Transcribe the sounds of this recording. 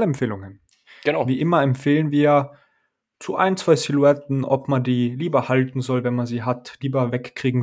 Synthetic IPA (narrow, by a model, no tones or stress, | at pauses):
ləɛmfeːlʊŋən | əviːʔɪmɐɛmpfeːlənviːɐja | t͡suʔa̰ɪnt͡sv̥aɪsiluɛtn̩ʔɔpmandiːliːbɐhaltn̩zɔlvɛnmanziːɦatliːbɐvɛkːʁ̥iːɡŋ̩